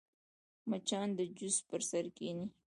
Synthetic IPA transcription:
mat͡ʃɑnd̪əd͡ʒʊspəɾsaɾkeni

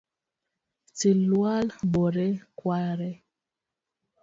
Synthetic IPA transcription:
t͡silwalbɔɾɛkwaɾɛ

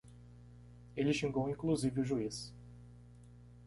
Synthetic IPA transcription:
elɪʃĩŋɡowĩŋkluzivɪʊʒuis

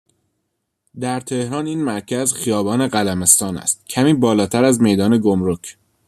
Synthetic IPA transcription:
d̪æɾt̪ʰe̞hɾɒːniːnmæɾcʰæzxijɒːbɒːneɢælæme̞st̪ɒːnæ̰st̪̚cʰæmiːbɒːlɒːt̪ʰæɾæzme̞jd̪ɒːne̞ɡomɾocʰ

